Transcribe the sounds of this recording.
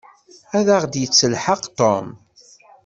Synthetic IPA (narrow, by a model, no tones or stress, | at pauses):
æðəʁd̪jət͡sːəlħəqt̪ɔ̰m